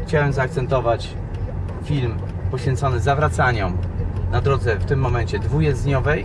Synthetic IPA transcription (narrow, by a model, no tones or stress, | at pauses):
xt͡ɕawɛmzaːk̚t̪sɛnt̪ɔvat͡ɕ | fʲilmpɔɕfʲɛnt̪sɔnɘzavɾat̪saɲɔmnad̪ɾɔd̪zɛft̪ɘmːɔmɛnt͡ɕɛd̪vujɛzɲɔvɛj